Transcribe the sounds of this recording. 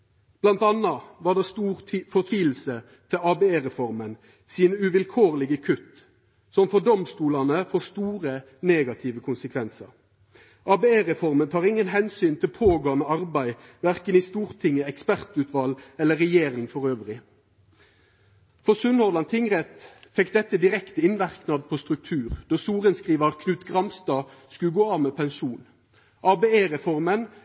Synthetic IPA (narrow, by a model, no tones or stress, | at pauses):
b̥lɑnt̪ɑnɑʋɑːd̪ɑːst̪uːʁfɔʁt̪ʰʋiːll̩sə | t̪ʰɪlɑːbeeːʁɛfɔʁmən | siːnəʉʋɪlkʰoːʁlɪɡəkʰʉt̪ | sɔmfɔd̪ɔmst̪uːlɑnəfoːst̪uːʁə | neːɡɑt̪ʰɪʋəkʰʊnsəkʰʋɛnsɑ̰ʁ | ʔɑːbeeːʁɛfɔʁmənt̪ʰɑːʁɪŋːənɦɛnsyːnt̪ʰɪlpʰoːɡoːɑnəɑʁbæɪʋæʁkəniːst̪uːʁt̪ʰɪŋːəɛkspæʁt̪ʉt̪ʋɑlɛləʁɛjeːʁɪŋfɔʁøːʋʁɪ | fɔʁsʉnɔʁd̪ɑnt̪ʰɪŋʁɛt̪fɛkd̪ɛt̪ːəd̪ɪʁɛkt̪əɪnʋæʁknɑd̪̚pʰoːst̪ʁʉk̚t̪ʰʉːʁd̪oːsuːʁənskʁiːʋəʁkʰnʉːt̪ɡʁɑmst̪ɑː | skʉlɡoːɑːʋmeːpʰɛnʃuːn | ʔɑbeːeːʁɛfɔʁmən